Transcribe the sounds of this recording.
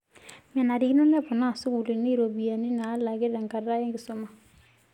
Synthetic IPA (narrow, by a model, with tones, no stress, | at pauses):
ma˨na˨ɾi˨ki˦nɔ˦nɛ˦pɔ˨na˦˨su˦ɣu˨li˨na˦ɾo˨bi˨a˨ni˦naː˨˦la˨ɣe˦ɾɾa˨ŋka˨ɾɾa˦e˦ŋɡɪ˨so˦ma˨